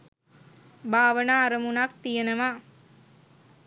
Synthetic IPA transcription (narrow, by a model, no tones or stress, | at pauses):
baːʋənaːɾəmunak̚t̪ijenəʋa